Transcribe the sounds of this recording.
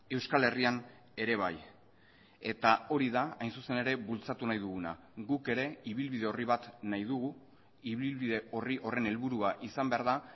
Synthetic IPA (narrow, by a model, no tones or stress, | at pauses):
e̞wskale̞rian | e̞ɾe̞β̞a̰j | e̞t̪ao̞ɾiðaajnsuse̞ne̞ɾe̞βult͡sat̪unajðuɣuna̰ | ɣuke̞ɾe̞iβilβið̞e̞o̞riβ̞at̪najðuɣu | iβilβiðe̞o̞riʔo̞re̞ne̞lβuɾuaʔisambe̞aɾða